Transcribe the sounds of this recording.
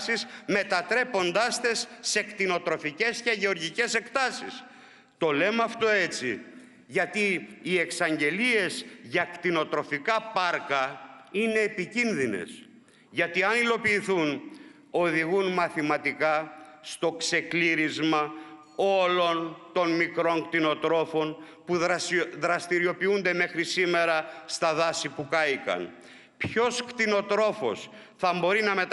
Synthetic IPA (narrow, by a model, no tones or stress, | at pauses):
sisme̞t̪ɐt̪ɾe̞po̞nd̪ɐst̪e̞sːe̞kt̪ino̞t̪ɾo̞fice̞sce̞ʝe̞o̞ɾʝice̞se̞kt̪ɐsḭs | t̪o̞le̞mɐft̪o̞e̞t͡si | ʝɐt̪iːe̞ksɐɲɟe̞lie̞zʝɐkt̪ino̞t̪ɾo̞fikɐpɐɾkɐine̞ːpicinðine̞̰s | ʝɐt̪iɐnilo̞piːθun | o̞ðiɣunmɐθimɐt̪ikɐst̪o̞kse̞kliɾizmɐ | o̞lo̞nt̪o̞nmikɾo̞ŋkt̪ino̞t̪ɾo̞fo̞n | puððɾɐst̪iɾio̞piund̪e̞me̞xɾisime̞ɾɐst̪ɐðɐsipukɐikɐ̰n | pço̞skt̪ino̞t̪ɾo̞fo̰s | θɐmbo̞ɾinɐme̞t̪